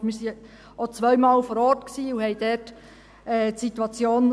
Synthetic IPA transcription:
mɪːɾsi | ot͡sʋœɥmɑːlfɔːɾɔːɾtksiːuhɛɪdɛɾt | ɛːtsit̪uɑt͡sjoːn

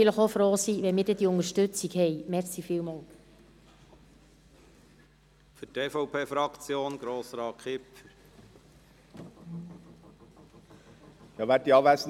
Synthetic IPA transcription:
ɪləχofɾoːsiːʋɛnmɪːdɛd̥̪iʊŋəʃtɵt͡sikhɛjmɛɾsifɪːlmɑːl | fyteːfɔʊpʰeːfɾɑkt͡sjoːnɡ̥ɾoːsɾɑːkʰɪp | jɑʋæt̚iɑʋæs

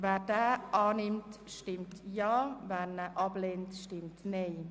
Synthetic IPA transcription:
vɛːdɛːɑːnɪmtʃtɪmtjɑːvɛːnəʔɑblentʃtɪmtneː

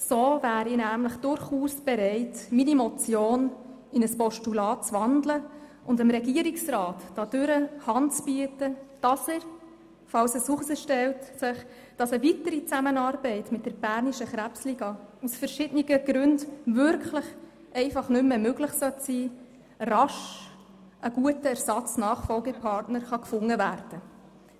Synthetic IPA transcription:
soːvæːɾinæːmləχd̥ʊɾχuːsb̥ɛɾɛɪtminimɔt͡sjoːn | ɪnəspɔʃtulɑːt̚t͡sʋɑndlə | ʊndɪmɾɛɡiəɾiksɾɑːtːɑd̥ʏɾəhɑntt͡sbyətəd̥ɑsəɾ | fɑwsəsuχəsəʃtɛwtsɪχ | d̥ɑsəvitəɾit͡sæmənɑːɾbɛɪtmɪt̚d̥əɾb̥æɾniʃəχɾæpsliːɡɑusfəɾʃɪdəniɡəɡ̥ɾʉndvʏɾkʰlɪχ | ʔɛɪfɑχnʏmːəmøɡlɪχsœtsiː | rɑʃ | ʔəɡ̥uətəæɾsɑt͡snɑːχfɔlɡəpʰɑrtnəɾχɑkfʊŋːəvæːrd̥ə

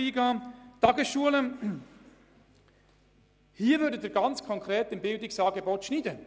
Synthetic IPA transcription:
iːɡɑːtɑɡəsʃuələ | hiːəvʏːɾdədɪɾɡɑnt͡skʰɔŋkʰɾeːtɪmbɪldɪksɑːɡebɔt̪ʃniːd̪ə

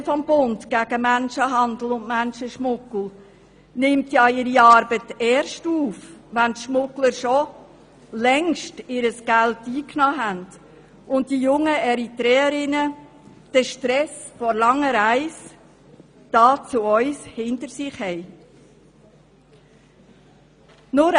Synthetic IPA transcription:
fɔmbʊntɡ̥æɡ̥əmænʃəɦɑndl̩ʊndmænʃəʃmʊkl̩ˠ | nɪmtjɑːɪɾiɑːɾbətɛːɾʃtuːfʋæntʃmʊkləɾʃɔ | lɛŋʃtɪɾəsɡ̥æltiːknɑːɦænd | ʊnt̚d̥ijʊŋːəɛɾitɾɛːəɾɪnə | d̥əʃtɾɛsfɔɾlɑŋːəɾæɪs | d̥ɑːt͡suœʏshɪntəɾsɪχhɛɪ | nʊɾ

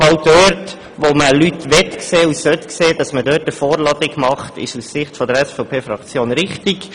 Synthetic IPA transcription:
ɑwdøːɾt | ʋoməlytʋɛtkseːusœtkseːdɑsmədøːtəfɔːɾlɑdɪkmɑχtɪ̰ʃussɪχtfɔdəɾɛsfɔʊpʰeːfɾɑkt͡sjoːnɾɪχtik

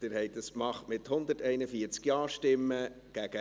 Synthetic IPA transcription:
d̥ɪɾhɛɪt̚d̥ɑskmɑχtmɪthʊnd̪ətɛɪnəfiːəɾt͡skjɑːɾʃtɪmːə | ɡ̥æɡ̥ə

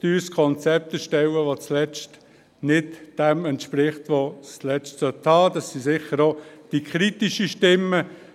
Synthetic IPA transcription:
tyːskʰɔnt͡sɛp̚t̪əʃtɛwəʋot͡slɛt͡st | nɪtd̥ɛmɛntʃpɾɪχtʋoslɛt͡stsœtʰɑːdɑsːisɪχəɾod̥ikʰχɾit̪iʃəʃtɪmːə

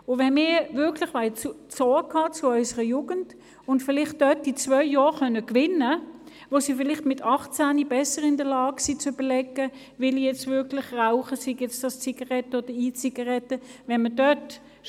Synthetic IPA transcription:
ʊvɛnmɪːvɪɐkʰlɪχʋaɪt͡su | t͡sɔːkʰɑːt͡sʊœʏsəʁəjuːɡənt | ʊntfɪlɪχt̚d̥œtit͡svœʏjɔːχœnəkvɪnə | ʋosiːfɪlɪχtmɪtʰɑχt͡sæːnibɛsəʁɪndəlɑːɡ̥sit͡søb̥əlɛɡə | vɪlijɛt͡stvɪɐkʰlɪχʁaʊχəsiɡjɛt͡sd̥ɑst͡siɡɑʁɛtəod̥əiːt͡siɡɑʁɛtəvɛnmədœt

